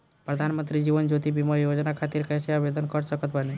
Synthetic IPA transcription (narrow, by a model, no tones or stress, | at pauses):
pɾəd̪ʱanmənt̪ɾid͡ʑiʋənd͡ʒot̪ibiməjod͡ʒnakʰat̪iːɾkəjseaʋed̪ənkəɾsəkət̪bane